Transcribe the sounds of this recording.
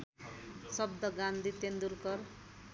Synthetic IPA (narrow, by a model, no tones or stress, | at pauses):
sʌbd̪ʌɡand̪it̪end̪urkʌr